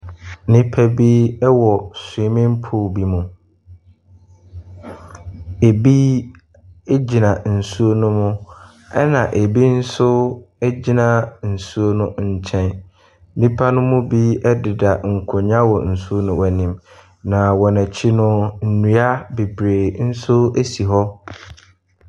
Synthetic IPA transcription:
nɪ̃˦pʰæ˦bi˦ɛ˦wɔ˨sɪ˨˦mɪ̃˦mpʰʊ˦˨bi˦mʊ̃˨ | e˨bi˦ | e˦d͡ʑi˨nã˨n̩˨su˦o˦nʊ̃˦mʊ̃˦ | ɛ˦nã˨ʔe˨bi˦n̩˦sʊ˦ɛ˦d͡ʑi˦nã˨n̩˨su˦o˦nʊ̃˦ɲ̩˦˨t͡ɕʰɛ̃˦n | nĩ˦pʰa˦nʊ̃˦mʊ̃˦bi˦ɛ˦dɪ˨da˨ŋ̩˨kʰʊ˨ɲã˦wɔ˨n̩˨su˦o˦nʊ̃˨wæ˨nĩ˨m | nã˨wɔ˨næ˨t͡ɕʰi˦nʊ̃˦n̩˨nũ˨a˦be˨bɾeː˨n̩˦sʊ˦e˦si˨ɦɔ˦

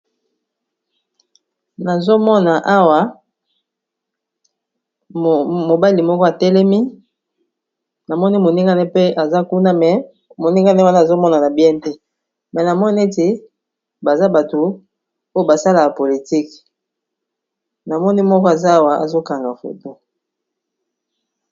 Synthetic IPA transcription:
na˨zo˦mɔ˦na˨ʔa˦wa˦˨ | mo˨ba˦li˨mɔ˦kɔ˦a˨tɛ˦lɛ˦mi˦ | na˨mɔ˦ni˦mo˨ni˦ŋɡa˦nɛ˦pe˦a˨za˦ku˦na˦mɛ˨ | mo˨ni˦ŋɡa˦nɛ˦wa˦na˦˨zo˦mɔ˦na˨na˨bi˦ɛ˦n˦te˦ | mɛ˨na˨mɔ˦ni˦e˦te˨ | ba˨za˦ba˨to˨ | o˦jo˦ba˨sa˦la˨ja˨po˨li˨ti˦k | na˨mɔ˦ni˦mɔ˦kɔ˦a˨za˦a˦wa˨a̰˨zo˦ka˨ŋɡa˨fo̰˨to˦

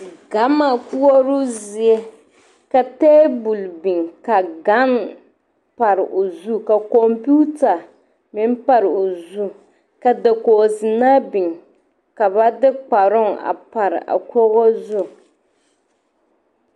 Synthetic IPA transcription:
ɡa˨˦ma˨ku˦ɔ˦ɾʊ˦zɪ˨ɛ˦ | ka˨teː˦bu˨lbi˨ŋka˨ɡa˦n | pa˨ɾɪ̰˨ʔo˨zu˦ka˨kɔ˨mpu˦ta˨ | mɪ˦n˦pa˨ɾɨ˨o˨zu˦ | ka˨da˨koː˨zɪ˨na˦bɪ˨ŋ | ka˨βa˦dɪ˦k͡pa˨ɾʊ˦ŋa̰˨pa˨ɾɪ̰˨ʔa̰˨kɔ˦ɣɔ˦zʊ˦˨

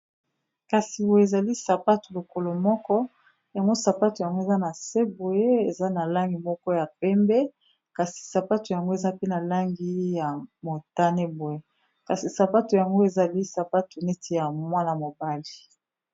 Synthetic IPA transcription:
ka˨si˨bo˨e˨e˨za˨li˦sa˨pa˦tu˨lo˨ko˨lo˨mɔ˦kɔ˦ | ja˨ŋɡo˦sa˨pa˦tu˨ja˨ŋɡo˦e˨za˦na˨se˦bo˨je˦e˨za˦na˨la˦ŋɡi˨mɔ˦kɔ˦ja˨pɛ˦mbɛ˦ | ka˨si̥˨sa˨pa˦tu˨ja˨ŋɡo˦e˨za˦pe˦na˨la˦ŋɡi˦ja˨mo˨ta˦ne˦bo˨je˦ | ka˨si˨sa˨pa˦tu˨ja˨ŋɡo˦e˨za˨li˦sa˨pa˦tu˨ne˦tʰe˦ja˨mwa˦na˨mo˨ba˦li˨

